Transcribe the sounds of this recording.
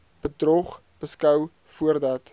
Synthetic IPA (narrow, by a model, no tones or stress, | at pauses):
b̥ədrɔχ | b̥əskœw | fuərdɐt